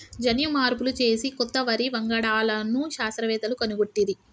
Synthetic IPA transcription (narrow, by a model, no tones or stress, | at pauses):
d͡ʒɐnjumaːɾpulut͡ʃe̞ːsikɔt̪ːɐʋɐɾiʋɐŋɡɐɽaːlɐnːuʃaːst̪ɾɐʋɛːt̪ɐlukɐnuɡuʈːid̪i